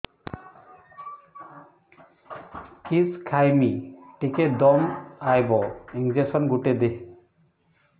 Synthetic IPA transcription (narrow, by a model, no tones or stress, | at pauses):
kiskʰajmiʈiked̪ɔmajbɔiŋd͡ʒesɔnɡuʈed̪e